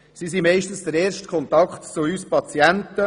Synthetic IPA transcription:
sisimɛɪʃtən̩sdəɾeːɾʃtkʰχɔnt̪ɑkχtt͡suyspɑt͡sjæntə

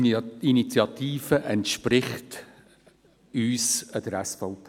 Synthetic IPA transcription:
init͡sjɑt̪iːfəʔɛntʃpɾɪχt | yːsəd̥əɾæsfɔwtʰ

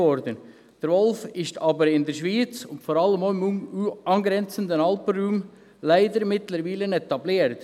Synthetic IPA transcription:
ɔɾdən | d̥əɾvɔlfɪʃtʰɑːbəɾɪndəɾʃʋiːt͡sʊntfɔɾɑlːəmoːɪmɑnɡɾɛnt͡səndənɑlpənɾuːm | laɪdəɾmɪtləɾviːlənɛtɑbliːəɾt

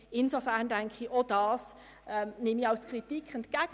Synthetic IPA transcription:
ɪnzofæʁndæŋkχiʔod̥ɑːs | ʔɛmnɪmiɑlskritikχɛntkæɡ

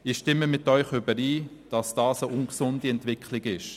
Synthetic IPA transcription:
ɪʃtɪməmɪtœʏχʏbəɾiːd̥ɑsd̥ɑːsəʔʊŋksʊndiɛntvɪkχlɪɡɪʃ

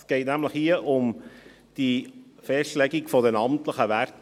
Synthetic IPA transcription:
sɡ̥ɛɪtnæmləχhiəʔʊm | d̥ifɛstlɛɡikfɔdɛnɑmtləχəʋæɾt

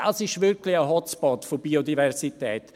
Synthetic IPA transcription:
asɪʃʋɪɾklɪəɦɔt͡spɔtfobiodivɛʁsitɛːt̪

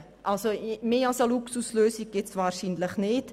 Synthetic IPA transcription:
ʔalsomeːɑlsəluksusløːsiɡ̚ɡ̥etsvaːɾʃiːnlɪχnɪt

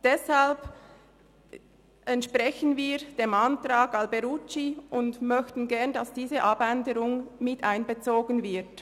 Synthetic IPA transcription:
d̥ɛshalb | ʔɛntʃpʁɛçənviːd̥eːmantraːɡɑlbɛɾut͡ʃiʊndmœçtn̩ɡɛɐndɑsd̥iːzəʔɑbɛndəɾʊŋmɪtaɪnbət͡soːɡənvɪɐt

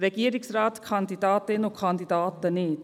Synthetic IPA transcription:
ɾekiɐɾiksɾaːt̪kʰaːnt̪it̪aːt̪ːenokʰaːnt̪it̪aːt̪ːɐneːt̪

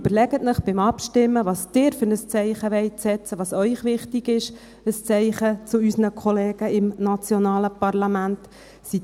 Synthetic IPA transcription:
b̥əɾlɛɡət̪nəχb̥ɪmɑpʃtɪmːəʋɑːsd̥ɪːɾfʏɾnəst͡sɛɪχəʋɛɪsɛt͡səʋɑːsœʏχʋɪχtɪɡɪʃ | əst͡sɛɪχət͡sʊysənəkʰɔleːɡəɪmnɑt͡sjɔnɑːləpɑrlɑmænt | si

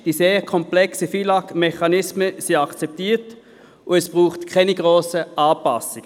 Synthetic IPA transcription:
d̥iːseːʁkʰɔmplɛksəfilɑkmɛχɑnɪsməsiɑkt͡sɛp̚tiːt | ʊɛsb̥ʁuːχtkʰɛniɡ̥ʁoːsəʔaːpɑsɪɡ̥ə

